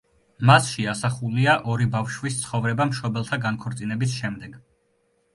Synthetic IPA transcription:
masʃɛasaχuliaʔɔɾibafʃwist̪sʰχɔvɾɛbamʃɔbɛlˠt̪ʰaɡankʰɔɾt̪sʼinɛbisʃɛmd̪ɛɡ

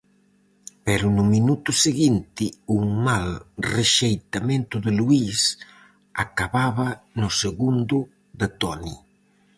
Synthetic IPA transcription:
pɛɾʊnʊminut̪ʊseɣint̪ɪuŋmalreʃejt̪amẽnt̪ʊðɪluis | akaβaβanʊseɣund̪ʊ | d̪et̪ɔni

